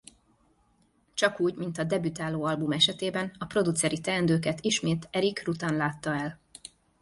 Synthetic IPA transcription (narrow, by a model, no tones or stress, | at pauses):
t͡ʃɒkuːɟmint̪ɒd̪ɛbyt̪aːloːɒlbumɛʃɛt̪eːbɛnɒpro̞d̪ut̪sɛɾit̪ɛɛnd̪øːkɛt̪iʃmeːt̪ɛɾikrut̪aːnlaːt̪ːɒɛl